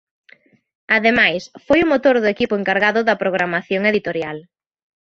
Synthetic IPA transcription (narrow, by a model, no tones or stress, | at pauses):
aðemajsfojʊmot̪oɾðʊekipʊeŋkaɾɣaðʊðɐpɾoɣ̞ɾamaθjoŋeðit̪oɾjal